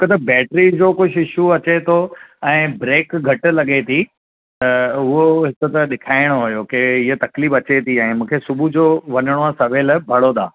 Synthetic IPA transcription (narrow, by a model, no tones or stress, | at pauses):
kət̪ɐbɛːʈɾid͡ʑoːkʊʃɪʃuɐt͡ɕet̪ʰoɛ̃ːbɾeːkɡʱɐʈlɐɠet̪ʰi | t̪ɐʊɦoɦɪkə̆t̪ɐɗɪkʰaːɪɽ̃oɦʊjokeɪɦot̪ɐkliːbɐt͡ɕet̪ʰiɛ̃ːmũːkʰesʊbʱud͡ʑoːʋɐɲəɽ̃oasɐʋeːlbʱɐɽod̪ʰa̰ː